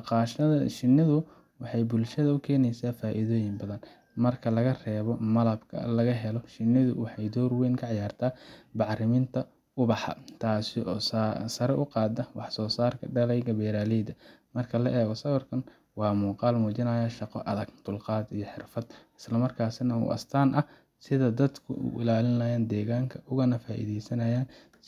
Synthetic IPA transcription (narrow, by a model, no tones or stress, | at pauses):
qɑːʃɐðɐ̰ʃɪnːɪðʊ | wɑħɑjbʊlʃɐðɐʊkʰɛːnɛjsaːfaːʔiðɔːjɪmbɐðɐn | mɐrkʰɐlɐɣɐrɛːβɔmɐlɐbkʰɐ̰lɐɣɐɦɛlɔʃɪnːɪðʊ̰wɑħɑjd̪ɔːrwɛːŋkʰɐʕjaːrt̪ʰaːbɑʕrɪmɪnt̪ʰɐ | ʊβɑħɑ̰t̪ʰaːsɪʔɔːsɐɾɛʔʊqɑːd̪ɐwɑħsɔːsaːrkʰɐɖɐlɛjɡɐbɛːɾaːlɛjd̪ɐmɐrkʰɐlɐʔɛːɣɔsɐwɔrkʰɐn | wɑːmuːqɑːlmuːt͡ʃɪnɐjɐʃɑqɔʔɐðɐɡd̪̥ʊlqɑːd̪ijɞħɪ̰rfɐd̪ɪ̥slɐmɐrkʰaːsɪnɐʊ̰ʔɐ̰st̪ʰaːnʔɐ | sɪðɐd̪ɐd̪kʰʊ̰ʊ̰ʔɪ̰laːlɪnɐjaːnd̪ɛːɣaːŋkʰɐʔʊɣɐnɐfaːʔḭːðɛjsɐnɐjaːn